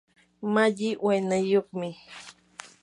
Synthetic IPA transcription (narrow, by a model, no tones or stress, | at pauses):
maʎɪʔwajnajoχmɪ